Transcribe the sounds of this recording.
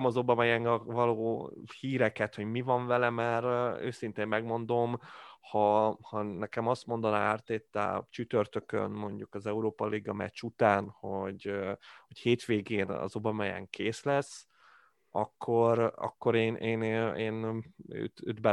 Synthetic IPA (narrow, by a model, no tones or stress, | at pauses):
mɒzo̞bɒmɒjɛŋɒvɒloːhiːɾɛkɛt̪ho̞ɟmivɒɱvɛlɛmɛɾø̰ːsint̪eːmːɛɡmo̞nd̪o̞mhɒhɒnɛkɛmɒst̪mo̞nd̪ɒnaart̪eːt̪ːa̰t͡ʃyt̪ørt̪økø̰nmo̞ɲɟukɒzɛuɾoːpɒliɡɒmɛ̰t͡ʃut̪aːnho̞ɟho̞cheːt̪ʋeːɡeːnɒ̰zo̞bɒmɒjɛ̰ŋkʰeːslɛs | ɒkʰːo̞ɾɒ̰kːo̞ɾeːnʔeːneːnø̰ːt̪ø̰ːd̪bɛ